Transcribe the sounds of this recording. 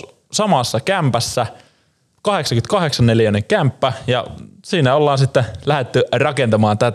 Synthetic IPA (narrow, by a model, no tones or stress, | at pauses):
sɑmɑsːɑkæmpæsːæ | kɑheksɑŋkyt̪̚kɑheksɑnnelijænːeŋkæmpːæjɑ̰siːnæolːɑːnsit̪ːelæhet̪ːyrɑkent̪ɑmɑːnt̪æt̪